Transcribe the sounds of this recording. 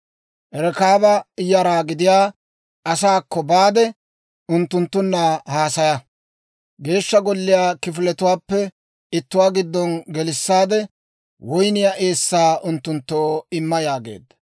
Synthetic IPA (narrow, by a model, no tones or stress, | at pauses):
ʔɛɾɛkaːbɐɪjɐɾaːɡɪd̪ɪjaː | ɐsaːkːɔbaːd̪ɛ | ʊnt̪ːʊnt̪ːʊnːɐhaːsɐjɐ | ɡe̞ːʃːɐɡɔlːɪjaːkɪfɪlɛt̪ʊwaːpːɛ | ɪt̪ːʊwaːɡɪd̪ːɔnɡɛlɪsːaːd̪ɛ | wɔjnɪjaʔe̞ːsːaːʔʊnt̪ːʊnt̪ːoːɪmːɐjaːɡḛːd̪ːɐ